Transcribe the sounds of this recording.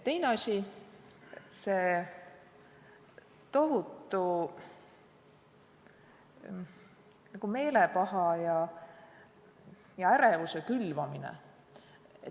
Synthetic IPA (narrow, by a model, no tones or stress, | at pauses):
t̪e̞jneɑsʲi | se̞ | t̪o̞ɦut̪ːˑu | nɑɡ̥ume̞ːlepɑhɑjɑ | jɑæɾevusekylvɑminḛ | e